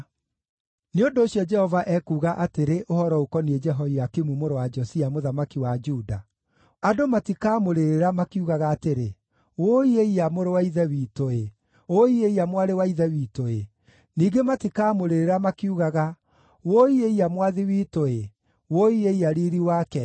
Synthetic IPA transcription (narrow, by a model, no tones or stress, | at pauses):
neondoːɕjɔd͡ʒɛhɔvaʔɛkuːɣaʔateɾeʔohɔɾɔokɔnied͡ʒɛɦɔiakimumoɾowad͡ʒɔsiamoðamakiwad͡ʒuda | adomatikaːmoɾeɾeɾamakiuɣaɣaːteɾe | woeiamoɾowaiðɛwiːtoe | oieiamwaɾewaiðɛwiːtoe | niːɡematikaːmoɾeɾeɾamakiuɣaɣa | woieiamwaðiwiːtoe | woieiaɾiɾiwaːkɛ